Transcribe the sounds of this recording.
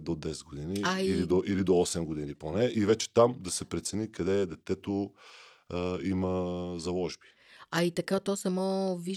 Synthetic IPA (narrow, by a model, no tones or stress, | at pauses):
d̪od̪ɛsɛd̪̚ɡod̪iniailid̪oʔilid̪oɔsɛmɡod̪iniponɛʔivɛt͡ʃɛ̥t̪amd̪ɐsɛpɾɛt̪sɛnikɐd̪ɛd̪ɛt̪ɛt̪o | imɐzɐlˠɔʒbi̥ | ɐit̪ɐkat̪ɔsɐmɔvi